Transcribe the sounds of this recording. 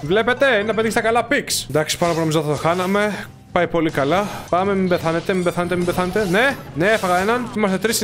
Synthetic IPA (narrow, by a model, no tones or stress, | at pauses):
vle̞pe̞t̪e̞inɐpeðiçst̪ɐkɐlɐpiksnd̪ɐksi̥pɐnopunomizɐðθɐt̪o̞xɐnɐme̞ | pɐjpo̞likɐlɐpɐme̞mimbe̞θɐne̞t̪e̞mimbeθɐne̞t̪emimbeθɐnet̪e̞ne | neefɐɣɐenɐnimɐst̪et̪ɾis